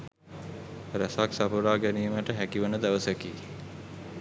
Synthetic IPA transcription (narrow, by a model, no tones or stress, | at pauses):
ɾæsaksapuɾaːɡæniːməʈəɦækiʋənəd̪æʋəsəkiː